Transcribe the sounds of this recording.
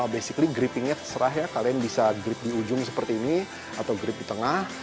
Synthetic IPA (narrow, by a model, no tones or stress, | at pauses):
besikliɡɾipɪŋɲat̪ərsəɾaɦjakalianbisaɡɾɪp̚diud͡ʒʊŋsəpərt̪iːni | at̪awɡɾɪp̚dit̪əŋah